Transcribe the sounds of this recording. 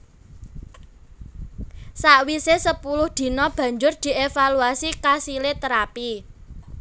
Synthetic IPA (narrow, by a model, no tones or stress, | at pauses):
saʔwisesəpulʊhd̪̥i̤nɔb̥ä̤ɲd͡ʒʊrd̪̥i̤ʔefaluasikasilet̪əɾapi